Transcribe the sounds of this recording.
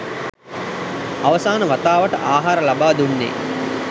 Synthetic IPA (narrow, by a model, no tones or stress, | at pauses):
aʋəsaːnəʋat̪aːʋəʈə̰ʔaːɦaːɾəlabaːd̪unːḛ